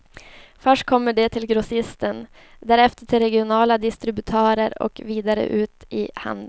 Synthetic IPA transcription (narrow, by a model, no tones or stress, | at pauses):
fœʂʈ̚kʰɔmːəɖɛt̪ʰɪlɡɾʊsɪst̪ən | d̪æːɾɛft̪əʈʰɪlɾɛɡɪʊnɑːlad̪ɪst̪ɾɪbʉt̪ʰœːɾəɾɔ̰kviːd̪aɾə̰ʔʉ̟ːt̪ɪha̰nd̪ə